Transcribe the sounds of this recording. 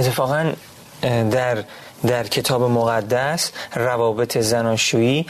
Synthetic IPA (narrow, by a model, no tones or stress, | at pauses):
ʔet̪ʰːefɒːɣæn | d̪æɾ | d̪æɾcʰe̞t̪ʰɒːbe̞moɣæd̪ːæsrævɒːbe̞t̪ʰe̞zænɒːʃuːiː